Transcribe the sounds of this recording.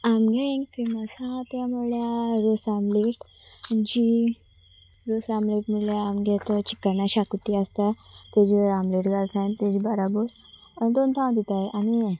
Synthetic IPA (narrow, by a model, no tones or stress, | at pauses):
amɡẽkiməsat̪jamoljaɾosamleʈ | d͡ʑi | ɾosamleʈmiljaːmɡɛt̪ət͡ɕi̥kːəɾnaɕakut̪iast̪a | t̪ed͡ʑiɾamleʈɡalt̪ʰãnt̪ed͡ʑibaɾabuɾ | d̪ont̪ʰãw̃d̪it̪aeʔani